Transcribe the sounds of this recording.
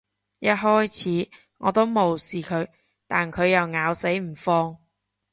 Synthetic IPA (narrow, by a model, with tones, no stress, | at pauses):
jɐ˥t̚ɦɔː˥jt͡sʰiː˨˥ | ŋɔː˨˧t̪o˥wmo˨wsiː˨˩kʰɵ˨˧ɥ | t̪aː˨nkʰɵ˨˧ɥjɐ˨wŋaː˨˧wse˨˥jm̩˨˩fɔː˧ŋ